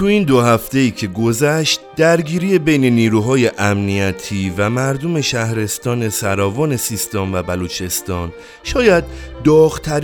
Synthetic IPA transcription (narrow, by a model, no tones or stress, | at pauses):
t̪ʰuind̪oɦæft̪e̞iːcʰe̞ɡo̞zæʃt̪̚d̪̥æɾɡiːɾiːjebe̞jne̞niːɾuɦɒːje̞ʔæmnijæt̪ʰiːvæmæɾd̪ome̞ʃæhɾe̞st̪ɒːne̞sæɾɒːvɒːne̞sist̪ɒːmvæbælut͡ʃʰe̞st̪ɒːn | ʃɒːjæd̪̚d̪ɒːɣt̪ʰæɾ